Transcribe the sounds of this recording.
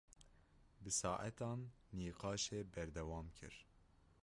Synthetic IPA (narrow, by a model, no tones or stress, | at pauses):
bɨsɑːʔæt̪ɑːnː | iːqɑːʃeːbɛɾd̪ɛwɑːmkʰɨ̰ɾ